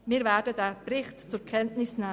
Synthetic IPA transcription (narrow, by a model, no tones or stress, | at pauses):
miːɾvɛːdədɛːbrɪχtt͡sʊɾkʰɛntnɪsnaː